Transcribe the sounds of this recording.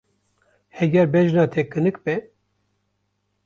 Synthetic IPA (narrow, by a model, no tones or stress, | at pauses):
hɛɡʲɛɾbɛʒnɑːt̪ʰɛkʰɨnɨkbɛ